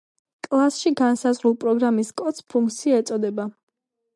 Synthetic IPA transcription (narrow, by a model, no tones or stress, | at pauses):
kʼlˠasʃiɡansazʁɾulˠpʼɾɔɡɾamiskʼɔt̪spʰuŋkt̪sʰiaɛt̪sʼɔd̪ɛba